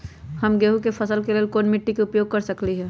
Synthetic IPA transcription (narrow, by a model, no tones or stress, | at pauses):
hɐmɡeːɦukepʰɐsəlkeleːlkoːnmɪʈːikeʊpjoːɡ̚kɐɾsɐkliɦɛː